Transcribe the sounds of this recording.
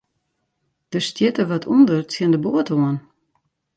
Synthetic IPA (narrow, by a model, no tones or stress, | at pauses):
d̥əstjɪtəʋɔtʰundərt͡sjɪndəboətoən